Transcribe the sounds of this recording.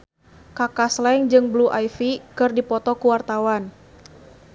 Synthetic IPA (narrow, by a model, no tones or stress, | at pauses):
kakaslɛŋd͡ʒɨŋbluʔajfikɨrdipɔt̪ɔkuwart̪awan